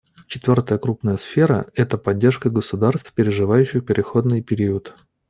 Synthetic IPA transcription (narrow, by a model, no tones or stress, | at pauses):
t͡ɕɪt̪vʲo̞rt̪əjəkɾupnəjəsfʲe̞ɾə̰ɛt̪əpɐdʲːe̞rʂkəɡəsʊd̪arst̪fpʲɪɾʲɪʐɨvajʉɕːɪxpʲɪɾʲɪxo̞d̪nɨjpʲɪɾʲiət̪